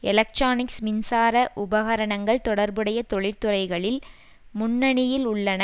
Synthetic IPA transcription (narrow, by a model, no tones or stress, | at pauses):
ɛlɐk̚ʈɾaːnɪksmɪnsaːɾɐʔʊbɐɣɐɾɐɳɐŋɡɐɭt̪ɔɽɐɾbɯɽɐjɐt̪ɔɭɪɾt̪ɯrɐɪɣɐɭɪl | mʊnːɐɳɪjɪlʊɭːɐnɐ